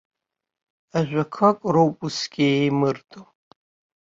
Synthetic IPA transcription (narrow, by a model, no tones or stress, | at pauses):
aʒᶣʷakʰakʼrowpʼusɡʲiejmɨrtʼo